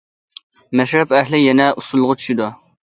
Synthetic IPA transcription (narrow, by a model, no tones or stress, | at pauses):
mɛʃɾɛpɛhlɪjɛnɛʔusulˠːʁʊt͡ʃʰy̥ʃid̪u